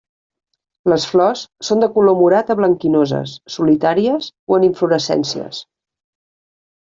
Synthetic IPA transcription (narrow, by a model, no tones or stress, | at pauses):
ləsflɔsːond̪əkulomuɾat̪əβləŋkinozə̰sːulit̪aɾiəsoəniɱfluɾəsɛ̰nsiə̰s